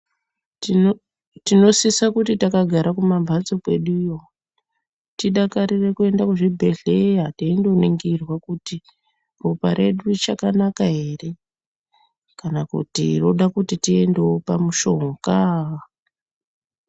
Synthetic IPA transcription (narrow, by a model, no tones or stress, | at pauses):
tino̞sisakutitakaɡʱaɾakumambʱat͡sokwe̞̰ɗujo | tiɗakaɾire̞kue̞ndakuʐibʱe̞ɮejateindo̞niŋɡirwakuti | ropaɾe̞ɗut͡ʃakanakaɦe̞re̞ | kanakṵtḭro̞ɗakutitie̞ndeopamuʃo̞ŋɡa